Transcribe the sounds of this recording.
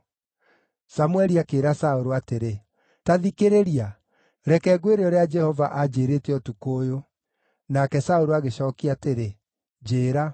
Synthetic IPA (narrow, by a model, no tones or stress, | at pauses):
samwɛɾiakeːɾasaoɾoateɾe | taðikeɾeɾia | ɾɛkɛːɡweɾeɔɾead͡ʒɛhɔvaʔad͡ʒeːɾeːtɛɔtukoːjo | nakɛsaoɾoaɣeɕɔːkiateɾe | d͡ʒeːɾa